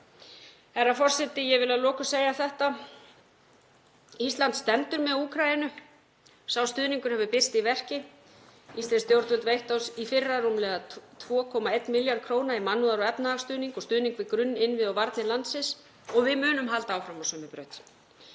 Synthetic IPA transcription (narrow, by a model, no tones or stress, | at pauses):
ɛɾafɔr̥sɛt̪ɪjɛɣvɪlaðlɔːkʏseːjaθɛht̪a | ist̪lant̪st̪ɛnt̪ʏɾmɛuːkʰɾajɪnʏ | sawst̪ʏːðniŋkʏɾ̥hɛvʏpɪst̪ivɛr̥cɪ | ist̪anst̪jowɾt̪vɛlt̪vejht̪owsifɪrːarumlɛːɣat̪ʰvɔːkʰɔmaejt̪nmɪljaɾd̪̥̚kʰɾoːwnaimanːuðaɾɔɛpnahaɣst̪ʏːðniŋkɔst̪ʏːðniŋkvɪðkɾʏnːɪnːvɪðawvaɾt̪nɪlant̪sɪs | ɔɣvɪmʏːnʏmɦalt̪aaːwfɾamawsœːmʏpɾœːɥt̪